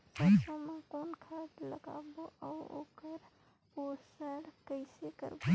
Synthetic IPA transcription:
səbsəmekonkʰaʈləɡa̰boʔao̰kəɾ | posəɽkəɪsekə̰ɾbo

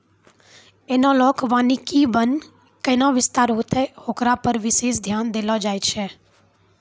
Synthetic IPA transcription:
enolɔːkʰʋãːnikiːbən | kəɪnãʋɪst̪aːɾɦoːt̪ʰɛhokɾapəɾʋɪʃeːʃd̪ʱjaːnd̪eːlɔd͡ʒaːjt͡ʃʰeː

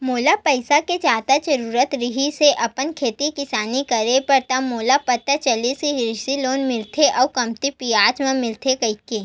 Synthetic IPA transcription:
moːlapəɪsaked͡ʒaːt̪ad͡ʒɐɾuːɾət̪ɾɪɦiseʔɐpənkʰeːt̪ikɪsaːnikɐɾepɐɾt̪amoːlapɐt̪ːət͡ʃɐlisiɦɾɪʃiloːnmɪlt̪ʰeʔɔːkɐmt̪ipijaːt͡ʃmẽmɪlt̪ʰekɐɪkeː

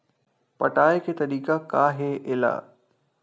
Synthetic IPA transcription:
pɐʈaːekʰet̪ɐɾiːkakaːɦeʔɪla̰ː

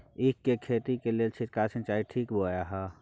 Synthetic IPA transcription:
ɪkːekʰeːt̪ikelelt͡ʃʰit̪̚kaːsə̃nt͡ʃaːiʈʰiːkbojaɦa

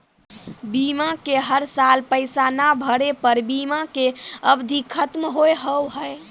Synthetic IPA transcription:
bimakeɦəɾsalpəɪsanabʱəɽepəɾbimãkeəbd̪ʱikʰət̪mɦoeɦəwɦəj

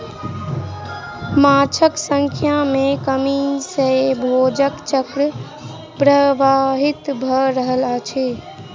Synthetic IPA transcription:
mat͡ʃʰəksəŋkʰjamekəmisəbʱod͡ʒəkt͡ʃəkɾ | pɾəʋaɦit̪bʱəɾəɦəlat͡ʃʰɛ

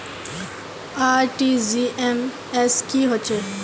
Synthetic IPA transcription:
aːɾʈiːziʔem | eskiɦot͡ɕe

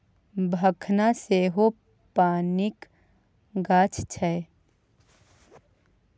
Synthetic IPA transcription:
bʱəkʰnaseɦo | paːnɪk | ɡaːt͡ʃʰt͡ʃʰɛ

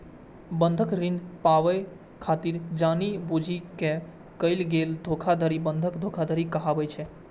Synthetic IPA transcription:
bənd̪ʱəkɾinpaʋə | kʰat̪iɾd͡ʒanibud͡ʒʱikẽ | kəɪlɡeld̪ʱokʰad̪ʱəɾibənd̪ʱəkd̪ʱokʰad̪ʱəɾikəɦabəjt͡ʃʰɛ

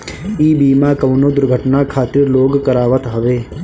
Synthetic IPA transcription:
iːbiːmaːkɐʋnoːd̪ʊɾɡʱəʈnakʰaːt̪ɪɾloːɡkəɾaːʋət̪ɦɐʋeː

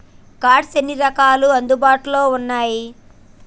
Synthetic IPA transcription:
kaːɾɖsenːiɾɐkaːluɐnd̪ubaːʈulo̞ːunːaːji

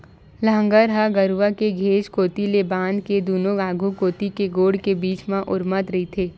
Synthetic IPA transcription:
ləə̃ŋɡəɾɦəɡəɾuʋakeɡʱeːd͡ʒkoːt̪ileːbaːnked̪uːnoɡaːɡʱukoːt̪ikeɡoːɽkebiːt͡ʃmãʔʊɾmət̪ɾɐɦit̪ʰeː

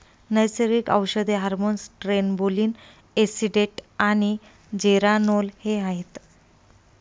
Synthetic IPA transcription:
nəjsəɾikə̰wɕəd̪eɦaɾmonsʈɾenboliːn | esiɖeʈaɽ̃i | d͡ʑeɾanolheaɦet̪

